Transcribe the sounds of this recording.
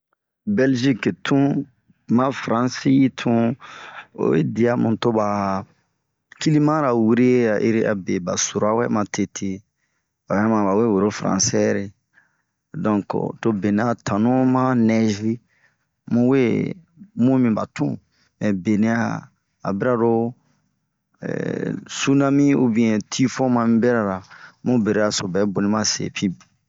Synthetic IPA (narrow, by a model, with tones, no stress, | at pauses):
bɛ˦lʒi˦ke˨tʰũ˦ | mã˦fɾã˦nsi˦i˦tʰũ˦ | o̰˨wḛ˦di˨a˦mũ˨to˦ba˨ | ki˦li˦mã˦ɾa˨wi˦ɾe˦a˨ʔe˦ɾi˦a̰˨be˨ba˨so˨ɾo˨˦a˦wɛ˦mã˨tʰe˨tʰe˨ | ba˨bmã˨ba˨we˦wo˨ɾo˦fɾã̰˨sɛ˦ɾe˨ | dɔ̃˨ŋko̰˨to˦be˨ne˨˦a˨tʰã˨nũ˦mã˦nɛ˦ʒɾi˦ | mũ˦we˦ | mũ˦mĩ˦ba˨tṵ̃˦ | mɛ̃˨be˨nẽ˦a̰ː˦˨ | bi˦ɾa˦ɾo˦ | ɛ̰su˦nã˦mĩ˦u˦bĩ˦ɛ̃˨tʰi˦fɔ̃˦mã˧mĩ˦bɛ˦ɾa˨ɾa˨mũ˦be˨ɾe˦a˨so˨bɛ˨˦bo˨nĩ˦mã˦sḛ˨pʰĩ˦˨